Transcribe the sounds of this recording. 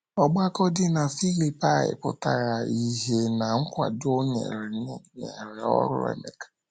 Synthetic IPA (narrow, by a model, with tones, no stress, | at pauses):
ɔ˨ɡ͡ba˦kɔ˦dɪ˦na˨fi˦li˨pa˦˨ɪ̰˨pʊ̰˨ta˨ɾa˨i˨ɦe˨na˨ŋ̩˦kʷa̰˨do˦ɲḛ˨ɾne˨ɾe˨ɔ̰˦ɾʊ̰˦ḛ˦me˨kḁ˨